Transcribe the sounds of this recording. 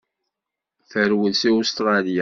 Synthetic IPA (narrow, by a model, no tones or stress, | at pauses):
θəɾwəðsiʊst̪ɾˤɑlijæ